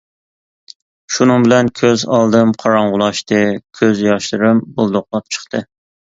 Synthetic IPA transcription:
ʃunɨŋbɪlɛnkʲʰøzɑlˠd̪ɨmqʰɑɾɑɴʁʊlˠɑʃt̪ɨkʲʰøzjɑʃlɨɾɨmbulˠd̪oqlˠɑp̚t͡ʃʰə̥χt̪ʰɨ

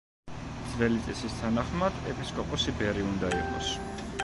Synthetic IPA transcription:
d̪zvɛlit̪sʼɛsist̪ʰanaχmad̪ɛpʰiskʼɔpʼɔsibɛɾiund̪aḭqʼɔ̰s

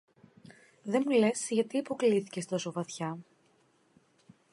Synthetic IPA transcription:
ðe̞mule̞sʝɐt̪iipo̞kliθi̥ce̞st̪oso̞vɐθçɐ

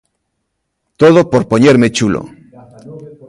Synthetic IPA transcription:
t̪oð̞opoɾpoɲeɾmet͡ʃulo̰

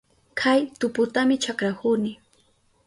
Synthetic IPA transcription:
kʰajt̪ʊpʊt̪amɪt͡ʃakɾahʊnɪ

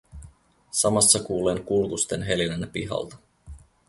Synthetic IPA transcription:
sɑmɑsːɑkuːleŋkulkust̪e̞nɦe̞linænæpiɦɑ̰lt̪ɑ̥

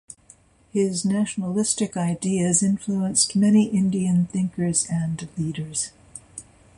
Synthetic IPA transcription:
hɪznæʃnəlɪstɨkaɪdiɨzɪ̃ɱfluə̃nstmɛniʔɪ̃ndiɨ̃nθɪ̃ŋkə˞zɨ̃nliɾə˞z̥

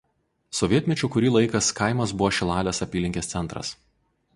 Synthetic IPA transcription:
sɔʋʲiɛt̪ʲmʲɛt͡ʃʲʊːkʊɾʲiːlˠɐɪkɐskɑˑɪmɐsbʊʋoːʃʲɪlˠɑːlʲɛsɐpʲiːlʲɪŋʲkʲeːssʲɛnt̪ɾɐ̰s

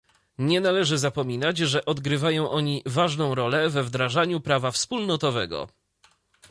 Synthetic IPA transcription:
ɲɛnalɛʐɘzapɔmʲinad͡ʑʐɛʔɔd̪ɡɾɘvajɔ̃w̃ʔɔɲivaʐnɔ̃w̃ɾɔlɛvɛvd̪ɾaʐaɲupɾavafspulnɔt̪ɔvɛɡɔ̰

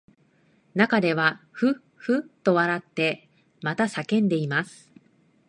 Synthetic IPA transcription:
nakad̪e̞βaɸɯ̟ | ɸɯ̟t̪ːo̞βaɾat̪ːe̞ | mat̪asakẽ̞nd̪e̞imasɨ̥

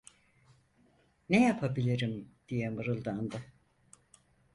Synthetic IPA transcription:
nejapʰabilʲiɾimd̪̥ijɛmɯɾɯlˠd̪and̪ɯ

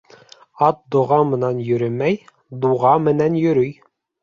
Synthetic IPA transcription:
ɑt̪̚d̪ŏʁɑmɤ̆nɑnjɵ̆ɾɘmæj | d̪uʁɑmɘ̆nænjɵ̆ɾɵj

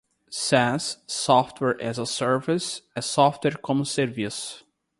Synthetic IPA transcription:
sɛssɔft̪ʰwɛɹʔɛzəsɛɹvisɛsɔft̪wɛɹkʰɔ̃msɛɾvis

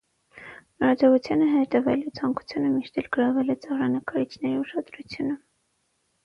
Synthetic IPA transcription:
məɾɑd͡zɔʁut͡sʰjɑnəɦɛt̪ɛvɛ̰lɛt͡sʰɑŋku̥t͡sʰjunəmiʃt̪ɛlɡəɾɑvɛlɛt͡sɑʁrɑnəkɑɾit͡sʰnɛɾiuʃɑd̪ɾut͡sʰjunə

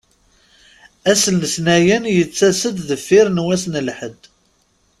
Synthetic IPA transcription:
æsəlnəsnæjənjət͡sːæsəd̪ðəfːɪɾnwæsnəlħəd̪

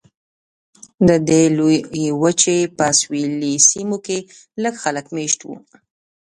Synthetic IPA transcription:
d̪əd̪elojewət͡ʃepəswilisimoke | ləɡxaləkmeʃt̪wṵ

